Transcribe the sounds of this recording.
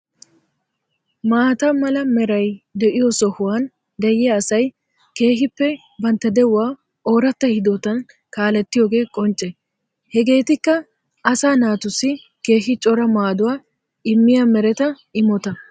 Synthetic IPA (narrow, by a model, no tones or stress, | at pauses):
maːt̪ɐmɐlɐmɛɾɐjd̪ɛʔɪjɔsɔhʊwan | d̪ɐjɛɐsɐj | ke̞ːɦɪpːɛ | bɐnt̪ːɐd̪ɛwʊwaː | o̞ːɾɐt̪ːɐhɪd̪oːt̪ɐn | kaːlɛt̪ːɪjoːɡe̞ːkʼɔnt͡ʃʼːɛ | hɛɡe̞ːt̪ɪkːɐ | ʔɐsaːnaːt̪ʊsːɪ | ke̞ːɦɪt͡ʃʼɔɾɐmaːd̪ʊwaː | ɪmːɪjamɛɾɛt̪ɐ | ɪmɔt̪ɐ